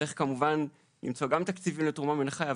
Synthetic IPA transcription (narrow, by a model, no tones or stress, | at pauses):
eχkamuvan | lḭmt͡soɡamt̪akt͡sivimletuʁmamenaχaja